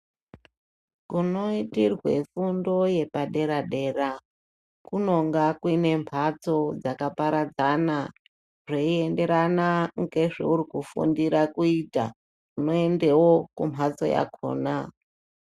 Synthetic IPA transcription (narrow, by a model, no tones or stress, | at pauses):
kuno̞itirwe̞̰fundo̞je̞paɗe̞ɾaɗe̞ɾa | kuno̞ŋɡakwine̞mpʰat͡so̞d͡zakapaɾad͡zana | ʐeie̞nde̞ɾanaŋɡe̞ʐḛuɾikufṵndiɾakuita̰ | uno̞e̞nde̞wokumʰʱat͡so̞̰ja̰kʰo̞̰ːna